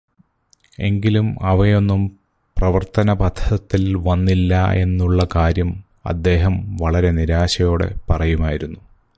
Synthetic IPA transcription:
e̞̰ŋɡilumɐʋɐjo̞nːum | prɐʋɐrt̪ɐnɐbɐd̪ʱʰɐt̪ːilʋɐnːilːɐe̞nːuɭːɐkaːɾjɐm | ɐ̰d̪ːe̞ːɦɐmʋɐɭɐɾe̞niɾaːɕɐjo̞ːɽḛpɐrɐjumaːjiɾunːu

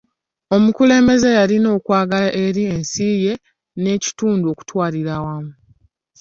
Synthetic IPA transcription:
o̞mukule̞ːmbe̞ze̞jalino̞ːkwaːɡalaʔe̞ɾiensiːje̞ | ne̞ːci̥tuːnduo̞ku̥twaːliɾawamu

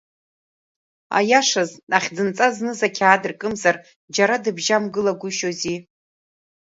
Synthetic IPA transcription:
a̰jaʂazaχʲd͡zɨnt͡sʼaznɨzakʲʰaːdɨrkʼɨmzar | d͡ʒaɾadɨbʒamɡɨlaɡʷʊʃozi

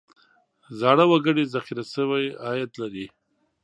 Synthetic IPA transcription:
zɑɽəwaɡəɽezaxiɾasəwajɑjat̪laɾi

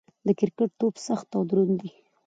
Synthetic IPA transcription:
d̪əkɪɾkaʈ̚t̪opsaxt̪awd̪ɾund̪i

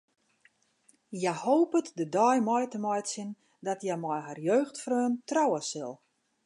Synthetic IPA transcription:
jajhoːpətdədɔjmɔjtəmɔjtsin | dɔtjajmɔjharjøːxtfrøːntrɔwəsɪlˠ

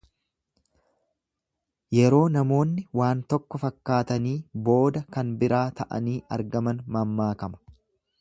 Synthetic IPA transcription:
jɛɾo̞ːnɐmo̞ːnːɪwaːnt̪ɔkːɔfɐkːaːt̪ɐniːbo̞ːd̪ɐkɐnbɪɾaːt̪ɐʔɐ̰niːʔɐɾɡɐmɐnmɐmːaːkɐmɐ̥

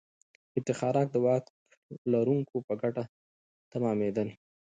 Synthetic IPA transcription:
ɪt̪ɪxɑɾɑk̚d̪əwɑ | laɾuŋkopəɡaʈa | t̪amɑmed̪ən

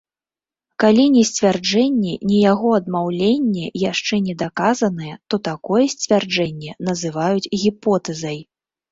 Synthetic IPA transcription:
kalʲinʲɛsʲt͡sʲvʲard͡ʐɛnʲːɛnʲɛjaɣɔɐd̪mawlʲenʲːɛjaʂt͡ʂɛnʲɛd̪akazɐnɨjɛt̪ɔt̪akɔjɛsʲt͡sʲvʲard͡ʐɛnʲːɛnɐzɨvajut͡sʲɣʲipɔt̪ɛzɐj

